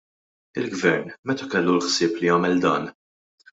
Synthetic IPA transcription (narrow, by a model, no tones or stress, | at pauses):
ɪlɡvɛɾnmɛt̪ɐkɛlːulħsɪːplijɐːmɛld̪ɐːn